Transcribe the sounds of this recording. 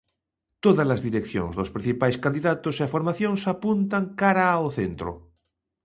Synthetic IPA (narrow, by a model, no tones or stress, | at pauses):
t̪oðazlazðiɾekθjõ̰ŋzðospɾĩn̟θipajskand̪iðat̪oseafoɾmaθjõnsapunt̪aŋkaɾaːoθent̪ɾo̰